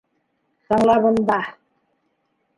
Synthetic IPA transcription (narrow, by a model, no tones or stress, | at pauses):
sɑɴlˠɑβɤ̆nd̪ɑ